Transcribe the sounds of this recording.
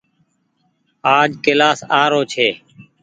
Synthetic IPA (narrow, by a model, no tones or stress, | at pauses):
aːd͡ʒkɪlaːsaːɾoːt͡ʃʰeː